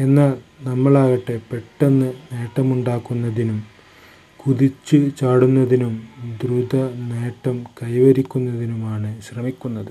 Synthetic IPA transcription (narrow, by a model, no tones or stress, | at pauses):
e̞nːaːlnɐmːɐɭaːɣɐʈːe̞pe̞ʈːɐnːɨne̞ːʈːɐmuɳɖaːkːunːɐðinum | kuðit͡ɕːɨt͡ɕaːɽunːɐðinumd̪rud̪ɐne̞ːʈːɐmkɐjʋɐɾikʲːunːɐðinumaːɳɨɕrɐmikʲːunːɐðɨ